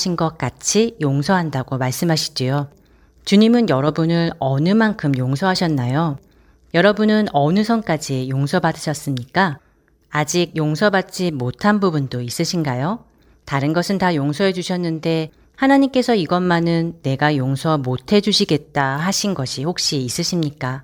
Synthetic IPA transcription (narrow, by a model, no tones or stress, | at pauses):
ɕʰinɡʌk̚k͈at͡ɕʰijoŋsʰʌɦandaɡomaɭs͈ɯmɦaɕʰi̥d͡ʑijo | t͡ɕuɲimɯnjʌɾʌbunɯɾʌnɯmankʰɯmjoŋsʰʌɦaɕʰʌnːajo | jʌɾʌbunɯnʌnɯsʰʌnk͈ad͡ʑijoŋsʰʌbadɯɕʰʌs͈ɯmɲik͈aː | d͡ʑiɡ̚joŋsʰʌbat̚t͡ɕ͈imotʰanbubundois͈ɯɕʰinɡajo | taɾɯnɡʌsʰɯntajoŋsʰʌɦe̞d͡ʑuɕʰʌnːɯnde̞ | hanaɲimk͈e̞sʰʌiɡʌnmanɯnːe̞ɡajoŋsʰʌmotʰe̞d͡ʑuɕʰiɡe̞t̚t͈aɦaɕʰinɡʌɕʰihok̚ɕ͈iːs͈ɯɕʰimɲik͈a